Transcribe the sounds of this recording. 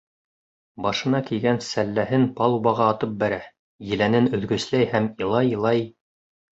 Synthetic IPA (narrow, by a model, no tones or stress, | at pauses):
bɑʃɤ̆nɑkijɡænsælːæhɘnpɑlˠubɑʁɑːt̪ɤp̚bæɾæ | jɘ̆lænɘnɵ̆ðɡɵ̆slæjhæmĭlˠɑjlˠɑj